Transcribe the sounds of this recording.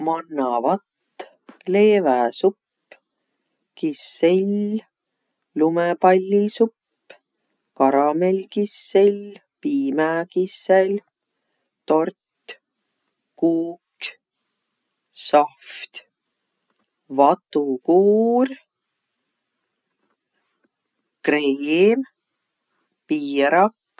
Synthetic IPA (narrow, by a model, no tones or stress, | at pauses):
mɑnːɑvɑt̪ː | leːvæsupː | kisːelʲ | lumɛpɑlʲːisupː | kɑɾɑmelʲkisːelʲ | piːmækisel | t̪o̞rt̪ | kuːk | sɑft̪ | vɑt̪ukuːr | krejm | piːɾɑkː